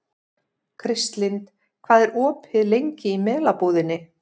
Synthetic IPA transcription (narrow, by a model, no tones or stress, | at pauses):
kʰɾɪst̪lɪnt̪ | kʰvaːðɛɾʔɔːphɪðlejɲcɪimɛːlapoːðɪnːɪ